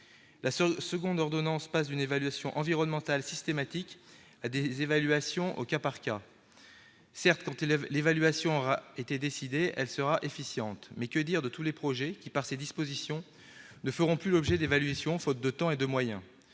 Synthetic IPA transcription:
lʔasəɡɔ̃d̪ɔʁd̪ɔnɑ̃spasd̪ynevalɥasjɔ̃ʔɑ̃viʁɔnmɑ̃t̪alsist̪emat̪ik | ad̪ezevalɥasjɔ̃ʔo̰kapaʁka | sɛʁt̪kɑ̃t̪levalɥasjɔ̃ɔʁaet̪ed̪esid̪eʔɛlsəʁaʔefisjɑ̃t̪mɛkəd̪iʁd̪ət̪ulepχɔʒɛkʲipaʁsed̪ispozisjɔ̃ | nəfəʁɔ̃plylɔbʒɛd̪evalɥasjɔ̃fot̪̚d̪ət̪ɑ̃ed̪əmwajɛ̰̃

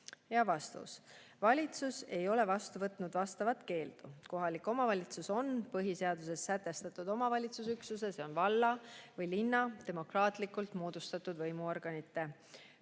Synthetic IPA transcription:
jɑvɑst̪ṵsvɑlʲit̪suse̞jo̞le̞vɑst̪uvɤt̪ːˑnud̪̥vɑst̪ɑvɑt̪ke̞ːld̪̥uko̞ɦɑlikːˑo̞mɑvɑlʲit̪suso̞npɤɦise̞ɑd̪us̬e̞sːæt̪ːe̞st̪ɑt̪ːˑud̪o̞mɑvɑlʲit̪susyksuse̞se̞o̞nvɑlːɑvɤjlinːɑt̪e̞mo̞krɑːt̪ˑlikːˑult̪moːd̪̥ust̪ɑt̪ˑud̪vɤjmuo̞rɡ̥ɑnit̪ːˑe̞

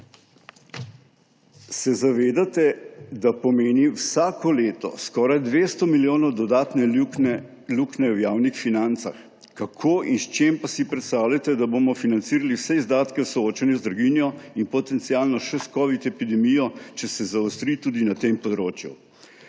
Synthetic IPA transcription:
sɛzaʋeːd̪at̪ɛd̪apɔmeːniwsaːkɔleːt̪ɔ̰skɔːɾajd̪ʋeːst̪ɔmiljoːnɔwd̪ɔd̪aːt̪nɛ | luknɛwjaːwnixfinant̪sa̰x | kakʰoːʔinʃt͡ʃempasipɾɛt̪st̪aːwlʲat̪ɛd̪abomɔfinant̪siːɾaliwsɛizd̪aːt̪kɛwsɔoːt͡ʃanjuzd̪ɾoɡinjɔinpɔt̪ɛnt̪sialnɔʃɛskɔʋit̪ɛpid̪ɛmijɔt͡ʃɛsɛzaɔst̪ɾit̪uːd̪inat̪empɔd̪ɾoːt͡ʃjṵ

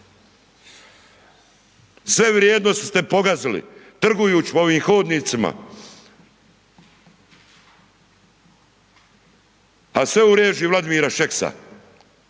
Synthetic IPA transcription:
sʋeʋɾjeːd̪nost̪st̪e̞po̞ɡazilḭt̪r̩ɡujuːt͡ʃi̥poʋiːmxo̞ːd̪niːt̪sima̰ | asʋe̞uɾeːʒiːʋlˠad̪imiːɾaʃeksa̰

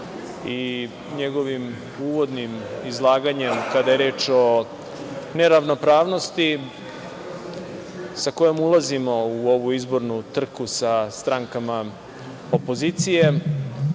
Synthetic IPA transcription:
i | ɲeɡo̞ʋim | uːʋo̞d̪nimizlˠaːɡaɲe̞mkad̪ajeɾe̞ːt͡ʃo̞ | ne̞ɾaʋno̞pɾaːʋno̞st̪i | sakojo̞mulˠazimo̞uo̞ʋuizbo̞ɾnut̪r̩kusast̪ɾaŋkama | o̞po̞ziːt̪sije̞

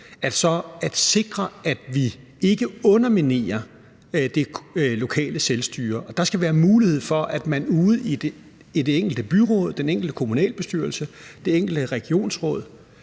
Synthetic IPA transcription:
æd̥sɒ̽æd̥se̝ɡ̥ʁɐʔæd̥ʋi | e̝ɡ̥əɔ̽nɐmine̝̰ːɐ | d̥e̝lo̝kʰɛ̰ːləselsd̥yːɐʔɒ̽d̥ɑ̈sɡ̥æʋæːɐmuːlihe̝ð̞̰ˠfɒ̽ʔæd̥mænuːð̩ˠid̥ | ide̝eŋ̰ɡ̥l̩d̥əb̥yʁɔ̽ð̰ˠd̥eneŋ̰ɡ̥l̩d̥əkʰo̝munɛ̰ːlb̥e̝sd̥yɐlsəd̥e̝eŋ̰ɡ̥l̩d̥əʁɛɡ̥io̝̰ːnsʁɔ̽ð̞̰ˠ

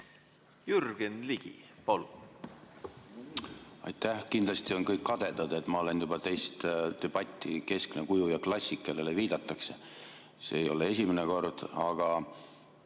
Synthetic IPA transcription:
jyrɡ̥enliɡ̥ḭpol | ɑ̰jt̪ːˑæhkind̪lɑst̪io̞nkɤjkːɑd̪̥e̞d̪̥ɑd̪̥e̞t̪ːˑmɑo̞le̞njub̥ɑt̪e̞jst̪t̪e̞b̥ɑt̪ʲːˑike̞sknekujujɑklɑsʲːikːeleleviːd̪̥ɑt̪ːˑɑkse̞ | se̞ːjo̞lees̬ʲimene̞ko̞rd̪̥ɑɡ̥ɑ

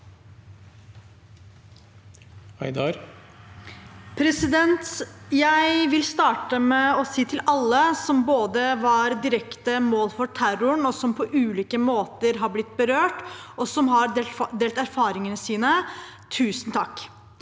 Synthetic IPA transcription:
æ̰ɪd̪ɑɾ | pʰɾɛsɪd̪ɛnt̪jæɪʋɪlst̪ɑːʈəmɛɔsiːt̪ʰɪlʔɑlːəsɔmboːd̪əʋɑɾd̪ɪɾɛkt̪əmoːlfɔʈʰæɾʊəɳɔsɔmpʰɔʔʉːliːkəmoːt̪əɾɦɑɾblɪt̪̚ːbəɾøːʈʔɔsɔmɦɑɾd̪eːlt̪æɾfɑːɾɪŋənəsiːnət̪ʰʉːsnt̪ʰɑkː

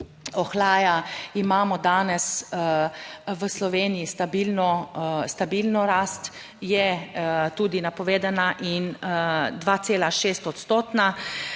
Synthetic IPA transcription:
ɔxlaːjaimaːmɔd̪aːnɛs | ʋəslɔʋeːnijist̪abilnɔst̪abilnɔɾaːst̪ | jɛt̪uːd̪inapɔʋeːd̪anaʔin | d̪ʋaːt̪seːlaʃeːst̪ɔt̪st̪oːt̪na

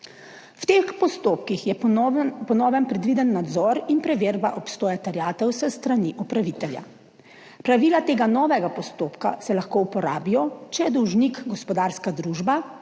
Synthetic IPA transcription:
wt̪expɔst̪oːp̚kixjɛpɔnɔːʋɛmpɾɛd̪ʋiːd̪ɛnːad̪zɔɾinpɾɛʋeːɾbaʔɔpst̪ɔːjat̪ɛɾjaːt̪ɛwsɛst̪ɾaniʔɔpɾaʋit̪ɛlja̰ | pɾaʋiːlat̪eːɡanɔːʋɛɡapɔst̪oːpka̰sɛlaxkoːupɔɾaːbijɔt͡ʃɛjɛd̪ɔwʒnikɡɔspɔd̪aːɾskad̪ɾuːʒba

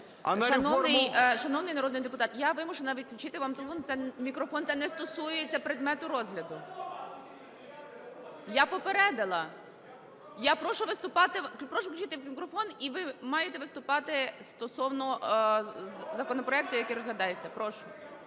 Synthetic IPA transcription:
ʃɐnɔwnɪjʃɐnɔwnɪjnɐɾɔd̪nɪjd̪epʊt̪ɑt̪jaʋɪmʊʒɛnɑʋʲitʲklʲʊt͡ʃɪt̪ɪʋamt̪elˠefɔnt̪sɛmʲikɾɔfɔnt̪sɛnɛst̪ɔsujet͡sʲːɐpɾed̪mɛt̪ʊɾɔzɦlʲɐd̪ʊ | japɔpeɾɛd̪ɐlˠɐ | japɾɔʃʊʋɪst̪ʊpɑt̪ɪpɾɔʃʊklʲʊt͡ʃɪt̪ɪmʲikɾɔfɔniʋɪmɑjet̪ɛʋɪst̪ʊpɑt̪ɪst̪ɔsɔwnɔ | zɐkɔnɔpɾɔɛk̚t̪ʊjɐkɛɾɔzɦlʲɐd̪ɑjet͡sʲːɐpɾɔʃʊ̥

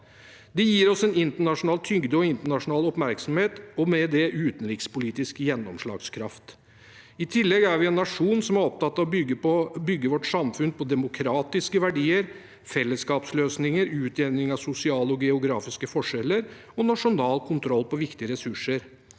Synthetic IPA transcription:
d̪ɛjiːɾɔsɛnɪnt̪əɳɑʂʊnɑːlt̪ʰʏŋɡd̪əɔɪnt̪əɳɑʂʊnɑːlɔpmæɾksɔmheːt̪ɔmɛd̪ɛʔʉːt̪ən̩ɾɪkspʊliːt̪ɪskəjɛnːɔmʂɭɑ̰ːɡskʰɾɑft̪ | ɪt̪ʰɪlːɛɡæɾʋɪɛnːɑʂuːnsɔmæɾɔp̚t̪ɑt̪ːɑʋɔbʏɡəpɔbʏɡːəʋɔʈsɑmfʉnpɔd̪ɛmʊkʰɾɑːt̪ɪskəʋæɖiːəɾ | fɛlːəskɑːpsløːsnɪŋəɾʉːt̪ʰɛnɪŋɑʋsʊsɪɑːləɔɡɛʊɡɾɑːfɪskəfɔʂɛlːəɾ | ɔnɑʂʊnɑːlkʰʊnt̪ʰɾɔlːpɔʋɪkt̪ɪəɾɛsʉʂəɾ

